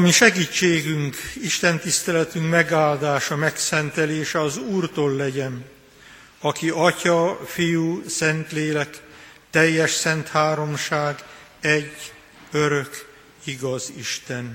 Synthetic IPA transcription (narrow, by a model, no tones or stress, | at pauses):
miʃɛɡiːt͡ʃːeːɡyŋkiʃt̪ɛnt̪ist̪ɛlɛt̪yŋkmɛɡaːld̪aːʃɒmɛksɛnt̪ɛleːʃɛɒzuːrt̪oːlːɛɟɛn | ɒkiɒcɒfijusɛnt̪leːlɛkt̪ɛjːɛʃsɛnt̪haːɾo̞mʃaːɡ | ɛɟː | øɾø̞k | iɡɒzḭʃt̪ɛn